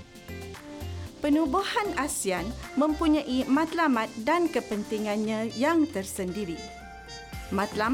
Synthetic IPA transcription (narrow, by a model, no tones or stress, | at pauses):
pənũbuhanasianmə̃mpuɲãʔimãt̪lamãt̪̚dankəpənt̪iŋãnɲãjaŋt̪ərsəndiɾi | mãt̪la